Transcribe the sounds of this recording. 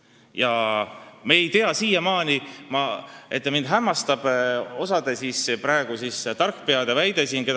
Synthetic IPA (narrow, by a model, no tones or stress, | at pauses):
jɑ | meːjt̪e̞ɑsiːjɑmɑːnimɑe̞t̪ːˑmind̪̥ɦæmːɑst̪ɑb̥o̞sɑd̪esisprɑe̞ɡ̥usist̪ɑrkːˑpeɑd̪evæjd̪̥e̞sinke̞